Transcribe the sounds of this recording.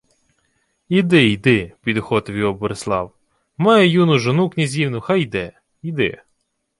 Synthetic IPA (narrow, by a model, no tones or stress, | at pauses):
id̪ɪjd̪ɪpʲid̪xɔt̪ʋʲiɔbɔɾeslˠɑ̰w | mɑjɛjunʊʒɔnuknʲizʲiwnʊxɑjd̪ɛ | id̪ɪ̰